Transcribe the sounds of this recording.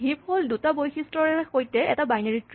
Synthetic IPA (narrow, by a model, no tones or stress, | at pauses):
ɦip̚holdutabojxistɹɔɹɛxojtɛʔɛ̰tabajnaɹitɹ